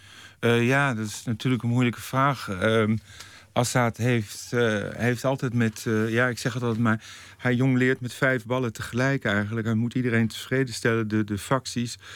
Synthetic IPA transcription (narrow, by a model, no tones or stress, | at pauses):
əjaːdɔtɪsnatyːɹləkənmuələkəv̥raːχə | ʔɑsatɦeftejftɑlˠtɛjtmɛtjaːɪksɛχɦətɑlˠətmaːɹ | hɛjjoŋlɪːɹtmɛtfɛjvbɑlətəχəlɛjkɛjχənləkhɛmutidərejntəv̥reːdəstɛləndədəfɑksis